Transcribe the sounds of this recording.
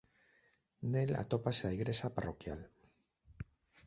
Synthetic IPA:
nela̰t̪opaseaiɣɾesaparo̰kja̰l

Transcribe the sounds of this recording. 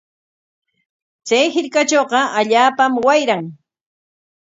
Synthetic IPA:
t͡sajhɪɾkat͡ʃoːɢɑaʎaːpamwajɾaŋ

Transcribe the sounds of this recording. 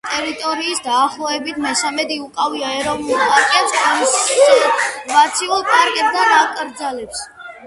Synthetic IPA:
t̪ʼɛɾit̪ʼɔɾiːsd̪aːχlˠɔɛbit̪ʰmɛsamɛd̪iukʼaviaɛɾɔvnulˠpʼaɾkʼɛpsamisʼ | vat̪sʰiulˠkʼaɾkʼɛp̚d̪aɾakʼɾd̪zalɛps

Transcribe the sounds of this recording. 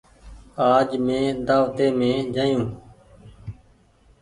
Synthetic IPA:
aːd͡ʒmẽːd̪aːʋt̪eːmẽːd͡ʒaːjũː

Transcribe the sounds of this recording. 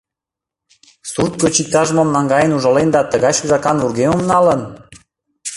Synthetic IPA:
surt̪̚kot͡ɕik̚t̪ɑʒəmə̆mnɑŋɡɑjənuʒɤ̆lend̪ɑt̪ə̆ɣɑjʃzɑkɑnvurɣemə̆mnɑlə̆n

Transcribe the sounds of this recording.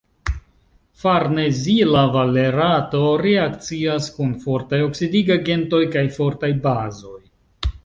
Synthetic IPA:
faɾne̞zilavale̞ɾato̞ɾeakt͡siaskunfo̞ɾtajo̞ksidiɡaɡe̞nto̞jkajfo̞ɾtajbazo̞j

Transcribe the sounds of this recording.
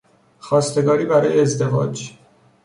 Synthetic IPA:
xɒːst̪e̞ɡɒːɾiːbæɾɒːjeːzd̪e̞vɒ̰ːd͡ʒ

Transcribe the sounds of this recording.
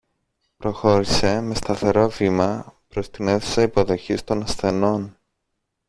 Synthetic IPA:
pɾo̞xo̞ɾise̞me̞st̪ɐθe̞ɾo̞vimɐpɾo̞st̪ineθe̥sɐipo̞ðo̞çist̪o̞nɐsθe̞no̞n

